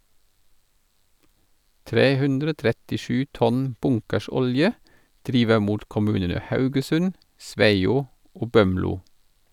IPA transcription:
ˈtɾeː ˈhʉndɾə ˈoː tɾɛtɪˈʃʉː ˈtɔn ˈbʊŋkəˌʃɔljə ˈdɾiːʋə ˈmuːt kɔˈmʉːnənə ˈhɑʉɡəˌsʉn ˈsʋæɪuː ˈoː ˈbœmluː

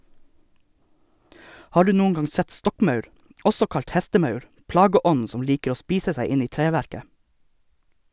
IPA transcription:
ˈhɑː ˈɖʉː ˈnuːn̩ ˈɡɑŋ ˈsɛt ˈstɔkˌmɑʉɾ ˈɔsɔ ˈkɑʎt ˈhæstəˌmɑʉɾ ˈplɑːɡəˌɔn̩ ˈsɔm ˈliːkəɾ ˈoː ˈspiːsə ˈsæɪ ˈɪn ˈiː ˈtɾeːʋæɾkə

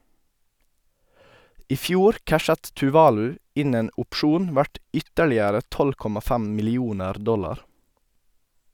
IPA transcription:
ˈiː ˈfjuːɾ ˈkæʃət tʉˈʋɑːlʉ ˈɪn ˈeːn ʊpˈʃuːn ˈʋæʈ ˈʏtəɭɪəɾə ˈtɔl ˈkɔmɑ ˈfæm mɪlɪˈuːnəɾ ˈdɔlɑɾ

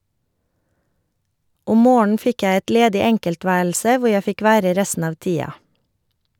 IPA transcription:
ˈʊm ˈmoːɳn̩ ˈfɪk ˈjæ ˈɛt ˈleːdɪ ˈɛŋkəlˌtʋæːɭsə ˈʋʊɾ ˈjæ ˈfɪk ˈʋæːɾə ˈɾɛstn̩ ˈɑːʋ ˈtiːɑ

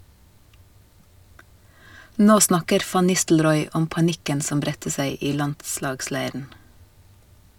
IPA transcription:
ˈnoː ˈsnɑkəɾ ˈfɑn ˈnɪstl̩ɾɔʏ ˈɔm pɑˈnɪkən ˈsɔm ˈbɾɛtə ˈsæɪ ˈiː ˈlɑndˌslɑːɡˌslæɪɾn̩

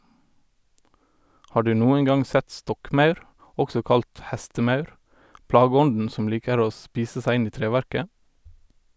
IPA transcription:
ˈhɑː ˈɖʉː ˈnuːən ˈɡɑŋ ˈsæt ˈstɔkˌmɑʉɾ ˈɔksɔ ˈkɑlt ˈhæstəˌmɑʉɾ ˈplɑːɡəˌɔndn̩ ˈsɔm ˈliːkəɾ ˈoː ˈspiːsə ˈsæɪ ˈɪn ˈiː ˈtɾeːˌʋæɾkə

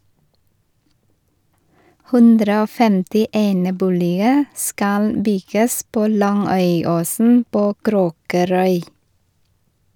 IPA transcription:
ˈhʉndɾə ˈoː ˈfɛmtɪ ˈeːnəˌbuːlɪə ˈskɑl ˈbʏɡəs ˈpoː ˈlɑŋœʏˌoːsn̩ ˈpoː ˈkɾoːkəɾœʏ

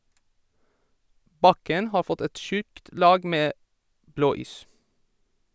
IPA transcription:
ˈbɑkən ˈhɑːɾ ˈfɔt ˈɛt ˈʃʉkt ˈlɑːɡ ˈmeː ˈbloːˌiːs

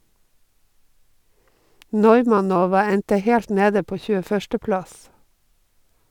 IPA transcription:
ˈnɔʏmɑˌnoːʋɑ ˈɛntə ˈhɛlt ˈneːdə ˈpoː çʉːəˈfœʃtə ˈplɑs

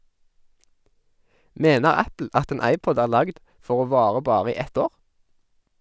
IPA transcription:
ˈmeːnəʁ ˈæpl̩ ˈɑt ˈeːn ˈɑɪˌpɔd ˈæːʁ ˈlɑɡd ˈfɔʁ ˈoː ˈʋɑːʁə ˈbɑːʁə ˈiː ˈɛt ˈoːʁ

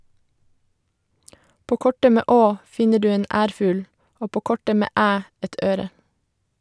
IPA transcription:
ˈpoː ˈkɔʈə ˈmeː ˈʔoː ˈfɪɲə ˈɖʉː ˈeːn ˈʔæːɾfʉːl ˈoː ˈpoː ˈkɔʈə ˈmeː ˈæː ˈɛt ˈʔøːɾə

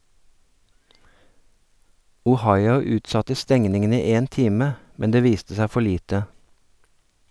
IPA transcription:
ʊˈhɑɪʊ ˈʉːtˌsɑtə ˈstɛŋnɪŋən ˈiː ˈeːn ˈtiːmə ˈmɛn ˈdeː ˈʋiːstə ˈsæ ˈfɔ ˈɭiːtə

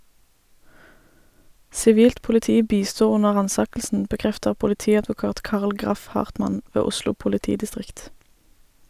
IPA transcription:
sɪˈʋiːlt pʊlɪˈtiː ˈbiːˌstuː ˈʊnə ˈʁɑːnˌsɑːkl̩sn̩ bəˈkʁɛftəʁ pʊlɪˈtiːɑdʋʊˌkɑːt ˈkɑːʁl ˈɡʁɑf ˈhɑːʁtmɑn ˈʋeː ˈʊslʊ pʊlɪˈtiːdɪˌstʁɪkt

